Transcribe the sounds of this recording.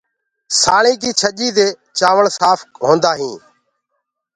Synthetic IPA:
saːɳĩːkiːt͡ʃʰəʄiːd̪eː | t͡ʃaːʋəɳsaːpʰkɦoːnd̪aːɦĩː

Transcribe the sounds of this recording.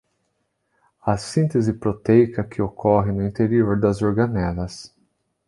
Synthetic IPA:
ɐsĩnt̪ezɪpɾot̪ejkɐkʰɪokʰɔɦɪnʊĩt̪eɾioɾd̪ɐzoɾɡɐnɛlɐs

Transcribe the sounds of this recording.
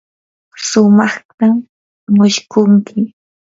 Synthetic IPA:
sʊmɑχt̪a | mʊʃkʊŋkʰɪ

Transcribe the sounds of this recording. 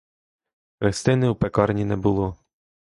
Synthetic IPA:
ɾest̪ɪnɪwpekɑrnʲinɛbʊlˠɔ

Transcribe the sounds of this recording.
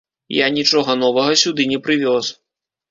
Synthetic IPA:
janʲit͡ʂɔɣɐnɔvɐɣɐsʲud̪ɨnʲɛpɾɨvʲɔs

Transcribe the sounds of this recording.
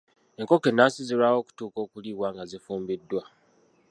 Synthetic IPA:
e̞ŋko̞kenasiziɾawo̞ːku̥tuːko̞ːkuliːɣwaːŋɡazifuːmbidːwa

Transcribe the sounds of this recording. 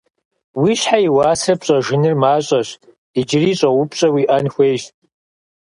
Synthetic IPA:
wiɕħaiwaːsrɨpɕʼɐʒɨnɨrmaːɕʷʼɐɕ | id͡ʒriɕʼɐwʊpʰʼɕʼɐwiʔɐnxʷejʃtʼ

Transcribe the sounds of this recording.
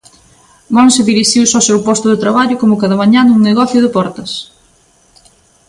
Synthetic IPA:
mõnsɪðiɾiʃiwsɔsewpɔst̪ʊðɪt̪ɾaβaʎʊkomʊkaðɐmaɲãnuŋneɣɔθjʊðɪpɔɾt̪ɐs

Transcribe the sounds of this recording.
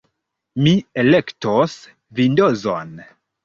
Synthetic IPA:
miele̞ktos | vindozo̰n

